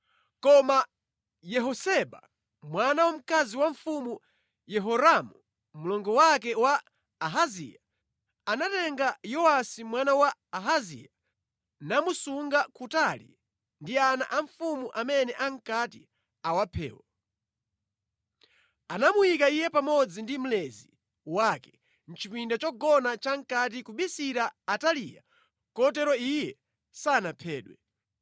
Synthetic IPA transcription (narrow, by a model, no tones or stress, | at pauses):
kɔma | jɛɦɔsɛɓa̰ | mwanawam̩kaziwaɱfumu | jɛɦɔɾamu | mulɔŋɡɔwak̬ɛwaː | ɦazḭja | anatɛŋɡajɔwasimwanawaːɦazḭja | namusuŋɡakʰutalḭ | ndiana̰ʔaɱfumuʔamɛnɛʔaŋkati | awapʰɛ̰ːwɔ | anamujikaijɛpamɔd͡zindim̩lɛzi | wakɛ | n̩t͡ʃipindat͡ʃɔɡɔnat͡ʃaŋ̩kat̬ikuɓisiɾaːtalija̰ | kɔtɛɾɔijɛ | saːnapʰɛːɗwɛ